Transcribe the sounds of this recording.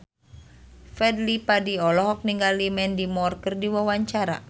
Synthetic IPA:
fɛdlipadiɔlɔɦɔk̚niŋɡalimɛndimɔrkərdiwawaɲt͡ʃaɾa̰

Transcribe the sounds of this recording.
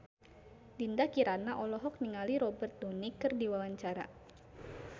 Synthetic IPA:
dindakiɾanaʔɔlɔɦɔk̚niŋaliɾɔbɛrt̪̚donikɨrdiwawaɲt͡ʃaɾa̰

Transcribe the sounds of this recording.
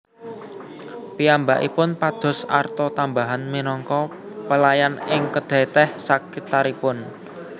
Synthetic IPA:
piambaʔḭpʊnpad̪̥ɔ̤sa̰rt̪ɔt̪ambaɦanminɔŋkɔ | pəlajanɪŋkəd̪̥ɛ̤t̪ɛhsakit̪aɾipʊn

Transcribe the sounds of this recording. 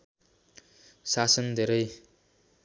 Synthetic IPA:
sasʌnd̪ʱeɾʌj

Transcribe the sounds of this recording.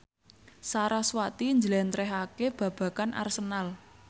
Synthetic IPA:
saɾaswat̪iɲd͡ʒəlɛnt̪ɾɛɦakeb̥ä̤b̥ä̤kanʔa̰rsənal

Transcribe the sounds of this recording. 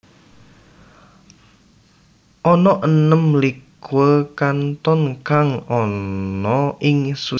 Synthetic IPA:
ʔɔnɔʔənəmlikwəkant̪ɔnkaŋɔnɔɪŋsu

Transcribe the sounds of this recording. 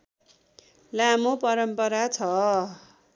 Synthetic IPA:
lamopʌɾʌmpʌɾat͡sʰʌ

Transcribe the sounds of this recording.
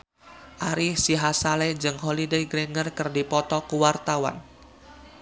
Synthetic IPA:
ʔaɾɪhsiɦasalɛd͡ʒɨŋɦolideɡɾeŋərkɨrdipɔt̪ɔkuwart̪awa̰n

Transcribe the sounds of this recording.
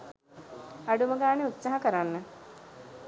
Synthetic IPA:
aɖuməɡaːneut̪saɦakəɾanːə

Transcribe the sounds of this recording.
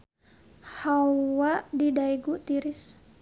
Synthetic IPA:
hawwaʔdidaiɡut̪iɾis

